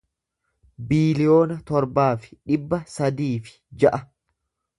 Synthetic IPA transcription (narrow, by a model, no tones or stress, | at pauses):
biːlɪjo̞ːnɐt̪ɔɾbaːfɪ̥ᶑɪbːɐsɐd̪iːfɪ̥d͡ʒɐʔɐ